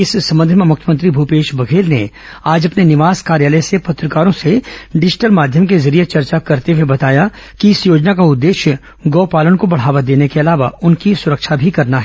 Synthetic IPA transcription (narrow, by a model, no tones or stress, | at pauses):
ɪsːɐ̃mə̃nd̪ʱmẽmʊkʰjəmə̃nt̪ɾibʱupeːʃbɐɡʰeːlne | aːd͡ʒɐpnenɪʋaːskaːɾjaːləesepɐt̪ɾəkaːɾõseɖɪd͡ʒɪʈəlmaːd̪ʱjəmkezɐɾiet͡ʃɐɾt͡ʃakɐɾt̪ewebɐt̪aːja | kiɪsjoːd͡ʒnakaʊd̪ːeːʃjə | ɡɔːpaːlənkobɐɽ̤aːʋəd̪eːnekeɐlaːʋaʊnkisʊɾəkʃʰabʱikɐɾnaɦɛ